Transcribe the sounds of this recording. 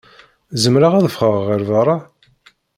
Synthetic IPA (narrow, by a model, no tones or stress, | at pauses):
zəmɾaʁæðəfχəʁːəɾvɑɾˤɑ